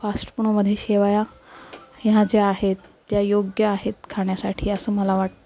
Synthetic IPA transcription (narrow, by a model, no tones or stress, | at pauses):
fasʈəpuɳməd̪ʱːjeɕeʋaja | jad͡zeaɦet̪ːjajoɡjəaɦet̪kʰaɳjasaʈʰiːəsəːməlaʋaʈt̪ə